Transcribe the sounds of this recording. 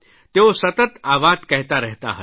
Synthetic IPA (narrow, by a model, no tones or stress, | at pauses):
t̪eosɐt̪ət̪aːʋaːd̪kɐɦt̪aɾɐɦt̪a̰ɦə